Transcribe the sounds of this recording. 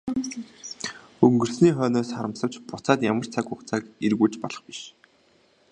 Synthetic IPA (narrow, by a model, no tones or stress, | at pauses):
ɵŋɡɵ̆rsniːχœːnʊːsχaɾə̆msə̆w̥t͡ɕpʊt͡saːt̪jamə̆r̥t͡sʰakʊkt͡sʰaːkirɣuːt͡ɕpɔɮɞ̆χpiʃ